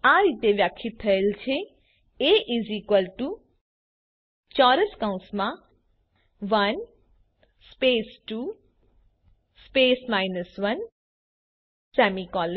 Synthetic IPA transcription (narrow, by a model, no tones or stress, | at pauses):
aɾit̪eʋjakʰːit̪ʰːɐelt͡ʃʰe | eʔizikwəlʈu | t͡ʃɔːɾəskaw̃smã | ʋɐn | speːsʈu | speːsmajnəsʋɐn | sɛːmikɔːl